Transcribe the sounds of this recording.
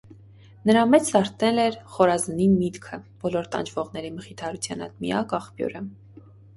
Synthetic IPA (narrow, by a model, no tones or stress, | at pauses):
nəɾɑmɛt͡sʰlɑɾt̪nɛlɛɾχɔɾɑzənimit̪kʰəb̥ɔlɔɾt̪ɑ̰nd͡ʒvɔʁnɛɾiməχit̪ʰɑɾut͡sʰjɑ̰nɑ̰t̪mḭjɑkɑχpjṵɾə